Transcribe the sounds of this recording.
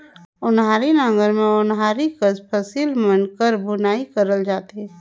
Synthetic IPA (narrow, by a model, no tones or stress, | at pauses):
ʊnɦaːɾinaŋɡəɾmẽʊnɦaːɾikəzpʰəsiːlmənkəɾbʊnaːikəɾəld͡ʒaːt̪eɦɛ̃